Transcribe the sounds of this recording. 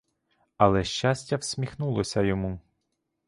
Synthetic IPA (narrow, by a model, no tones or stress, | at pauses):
ɐlˠɛʃt͡ʃasʲtʲːɐwsʲmʲixnulˠɔsʲɐjɔmu